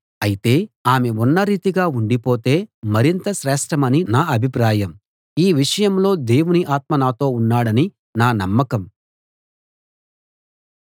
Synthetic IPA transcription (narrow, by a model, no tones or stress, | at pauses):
ɐjit̪e̞ːaːme̞unːɐɾiːt̪iɡaːuɳɖipo̞ːt̪e̞ːmɐɾint̪ɐʃɾɛːʂʈɐmɐninaːɐbʱipɾaːjɐm | iːʋiʂɐjɐmlo̞ːd̪e̞ːwuniʔaːt̪̚mɐnaːt̪o̞ːunːaːɽɐni | naːnɐmːɐkɐm